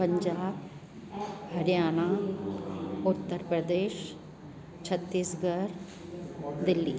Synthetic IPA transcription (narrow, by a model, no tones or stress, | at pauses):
pəɲd͡ʒaːb | həɾjaːnaː | ʊt̪ːəɾpɾəd̪eːʃ | t͡ʃʰət̪ːiːsɡəɾ | d̪ɪlːiː